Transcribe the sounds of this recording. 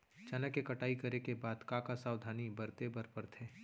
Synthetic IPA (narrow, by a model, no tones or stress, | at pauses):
t͡ʃɐnəkekɐʈaːikɐɾekebaːd̪kãkasaːwd̪ʱaːnibɐɾt̪ebɐɾpəɾt̪ʰeː